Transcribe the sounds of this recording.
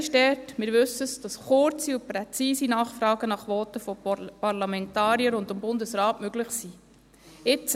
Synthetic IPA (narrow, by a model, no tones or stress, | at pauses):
ʃtɛtmɪːɾʋʏsːəsd̥ɑsχʊɾt͡siʊpɾɛt͡siːsinɑːχfɾɑːɡənɑχʋɔːtəfɔpɑɾlɑmɛntɑːɾiəɾʊndʊmbʊndəsɾɑːtmøɡlɪχsiː | ɪt͡s